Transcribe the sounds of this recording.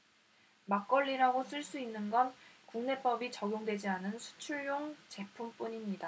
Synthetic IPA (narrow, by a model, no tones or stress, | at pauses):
mak͈ʌɭːiɾaɡosʰɯɭs͈uinːɯnɡʌnkuŋne̞p͈ʌbit͡ɕʌɡjoŋdwe̞d͡ʑianɯnsʰu̥t͡ɕʰuɭjoŋt͡ɕe̞pʰump͈uɲimɲida